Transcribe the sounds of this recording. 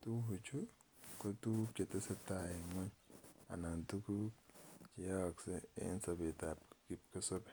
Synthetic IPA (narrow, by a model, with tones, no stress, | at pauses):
tu˦ɦu˨t͡ʃʰu˦ | ko˦tu˦ke˨te˦se˦ta˨je˨ŋo˦ɲa̰˨na˨ntu˦ku˦t͡ʃi˨ja˦wa˨kse˦ḛ˦nsɐ˨be˨ta˨p̚ki˨p̚ke˦so˦b